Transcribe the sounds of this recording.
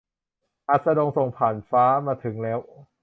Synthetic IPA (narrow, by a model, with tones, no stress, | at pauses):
ʔa˨˧˩t̪̚sa˧do˧ŋso˨˩ŋpʰaː˨˩nfaː˦˥maː˧t̪ʰɯ˩˦ŋlɛː˦˥w